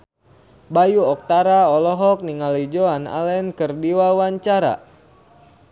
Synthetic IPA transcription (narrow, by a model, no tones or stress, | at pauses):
bajuɔk̚t̪aɾaɔlɔɦɔk̚niŋalid͡ʒoana̰lɛnkɨrdiwawaɲt͡ʃaɾa̰